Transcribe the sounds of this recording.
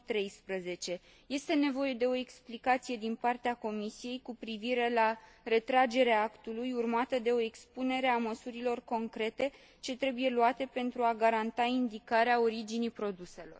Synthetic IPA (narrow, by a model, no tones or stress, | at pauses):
t̪ɾe̞jspɾəze̞t͡ʃe̞ | je̞st̪e̞ne̞vo̞je̞d̪e̞o̞eksplikat̪sije̞d̪inpart̪eako̞misije̞jkupɾiviɾe̞la | re̞t̪ɾad͡ʒe̞ɾeaakt̪ulujurmat̪əd̪e̞o̞e̞kspune̞ɾe̞aməsuɾilo̞rko̞ŋkɾe̞t̪e̞ | t͡ʃe̞t̪ɾe̞buje̞luat̪e̞pe̞nt̪ɾuaɡaɾant̪aind̪ikaɾeao̞ɾid͡ʒinijpɾo̞d̪use̞lo̞̰r